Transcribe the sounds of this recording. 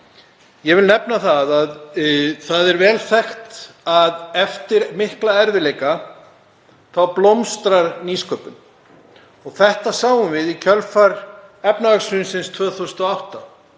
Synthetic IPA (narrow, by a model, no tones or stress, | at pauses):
jɛvɪlnɛpnaθaðaðθaðɛɾvɛːlθɛxt̪aðɛft̪ɪɾmɪhklaɛɾvɪleːjka | θawplomst̪ɾaɾniːskœːpʏn | ɔɣθɛht̪asaːwʏnvɪðicʰœlfaɾɛpnavaksvʏnsɪnst̪ʰvœːθuwsnɔawht̪a